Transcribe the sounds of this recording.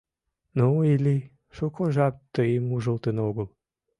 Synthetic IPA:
nuili | ʃokʰoʒɑp̚t̪ːəimuʒolˠt̪ənoɡəlˠ

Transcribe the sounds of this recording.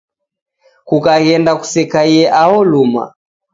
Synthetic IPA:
kukaɣɛndaku̥sɛkaiɛʔahɔluma̰

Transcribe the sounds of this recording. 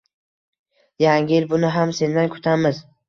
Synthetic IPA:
jaŋʲɪɪlbʊnɪɦamse̞nd̪ankʰʊ̥t̪ʰamɪz

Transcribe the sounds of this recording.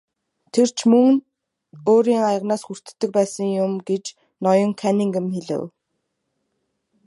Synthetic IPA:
t̪ʰer̥t͡ɕʰmɵŋ | oːɾiːŋajə̆ʁnaːsxur̥t̪ɘ̥̆ːɘ̆k̚pæːsə̆ŋjʊmɡet͡ɕ | nɔjɞ̆ŋkʰæniŋɡə̆mxeɮɘ̰̆w

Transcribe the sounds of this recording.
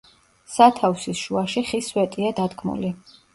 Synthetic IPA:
sat̪ʰafsisʃuaʃiχiswɛt̪ʼiad̪ad̪ɡmṵli

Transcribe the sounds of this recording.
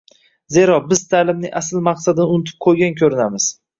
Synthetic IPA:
ze̞ɾɒbɪzt̪ʰalɪmnɪʔasɪlˠmɑqsad̪ɪnɪʊnɪt̪ʰɪ̥p̚qʰojɡʲankʲʰɵɾɪnamɪz̥

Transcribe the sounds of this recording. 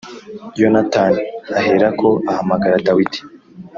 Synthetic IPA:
jonataːniaɦeɾakʰo̞ahamaɡaɾadawidi̥

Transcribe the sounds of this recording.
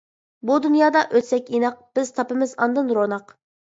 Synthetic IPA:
bud̪ynjɑːd̪ɑʔøt̪sɛkʲinɑq̚b̥ɪz̥t̪ʰɑpɨmɪzɑ̰nd̪ɨnɾonɑq

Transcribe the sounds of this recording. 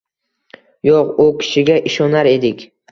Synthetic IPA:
joqʊkʲʰɪ̥ʃɪɡʲaʔɪʃɒnaɾe̞d̪ɪkʲ

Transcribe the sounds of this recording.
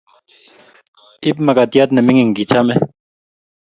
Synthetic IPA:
ib̚mɐkat̪ijat̪nɐmiŋɡiŋɡit͡ɕʰame

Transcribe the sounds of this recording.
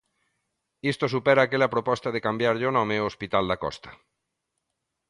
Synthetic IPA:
ist̪osupɛɾaːkelapɾopɔst̪aðekambjaɾʎonɔmeospit̪ald̪akɔ̰st̪ḁ

